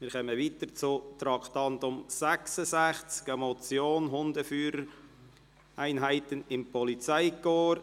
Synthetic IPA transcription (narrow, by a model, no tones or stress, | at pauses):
mɪːɾχœməʋitəɾt͡sʊt̪ɾɑkt̪ɑnt̪ʊmsæksəsæχt͡skɛmɔt͡sjoːnɦʊnd̪əfyːɾəɾ | æɪnɦæɪtənɪmpʰɔlit͡sæɪkoːɾ